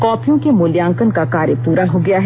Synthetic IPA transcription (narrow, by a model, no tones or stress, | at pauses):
kɔːpʰijõkemʊljãːŋkənkakaːɾjəpuːɾaɦoɡɐjaɦɛ